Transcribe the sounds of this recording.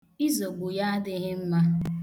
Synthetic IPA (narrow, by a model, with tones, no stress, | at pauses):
i˦zo˨ɡ͡bu˨ja˦a˦dɪ˦ɦɪ˦m̩˦ma˦